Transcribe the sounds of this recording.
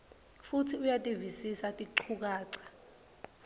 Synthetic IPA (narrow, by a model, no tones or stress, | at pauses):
futʰiujatʼivisisatʼiǃʰuk̬ʼaːǀḁ